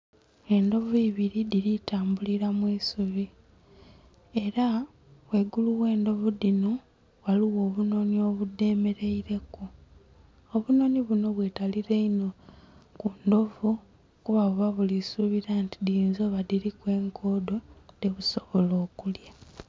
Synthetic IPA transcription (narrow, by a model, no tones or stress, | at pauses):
e̞ndo̞viːβiɾiðiɾitaːmbuliɾamwiːsuβi | e̞ɾa | we̞ɡuluwe̞ːndo̞vuðino̞ | waliwo̞ːβuno̞nio̞βude̞ːme̞ɾe̞iɾe̞ku | oβuno̞niβuno̞βwe̞taliɾe̞ino̞kundo̞vu | kuβaβuβaβulisuβiɾantidinzo̞ːβaðiɾikwe̞ːŋkʰo̞ːdo̞deβuso̞βo̞lo̞ːkulja